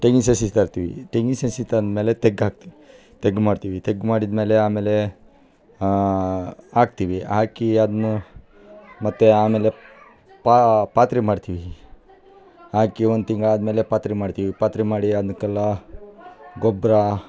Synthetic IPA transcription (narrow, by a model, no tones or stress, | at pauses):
ʈeŋisesit̪aɾt̪iʋḭʈeŋɡisẽsit̪anmelet̪eɡak̚t̪ | t̪eɡmaɽt̪iʋit̪eɡmaɽid̪meleamele | ak̚t̪iʋiakiad̪m | mɐt̪ːeamele | papat̪ɾimaɽt̪ʰiʋi | ãkiʋɐnt̪iŋɡaːd̪melepat̪ɾimaɽt̪iʋipat̪ɾimaɽiad̪mkɐla | ɡobɾa